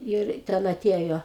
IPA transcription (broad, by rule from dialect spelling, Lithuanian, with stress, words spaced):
ˈɪr tʲɛn ɐˈtʲeːjoː